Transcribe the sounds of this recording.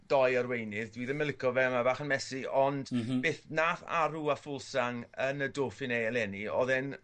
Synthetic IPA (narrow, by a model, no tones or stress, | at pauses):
d̥ɔjərwejnɪðdwiːðəmɪlɪkʰɔvɛmabaːχənmɛsiɔnd̥b̥eːθnaːθa̰ɾuafʊlˠsaŋənədoːfɪnejlɛniɔ̰ðɛn